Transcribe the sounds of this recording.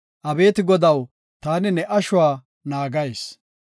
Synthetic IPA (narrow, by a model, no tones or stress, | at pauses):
ʔɐbe̞ːt̪ɪɡɔd̪ɐw | t̪aːnɪnɛʔɐʃʊwaː | naːɡɐjs